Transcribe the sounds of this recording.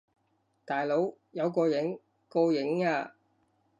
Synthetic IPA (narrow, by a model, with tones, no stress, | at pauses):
t̪aː˨jlo˨˥w | jɐ˨˧wkɔː˧jɪ˨˥ŋ | koː˧jɪ˨˥ŋaː˧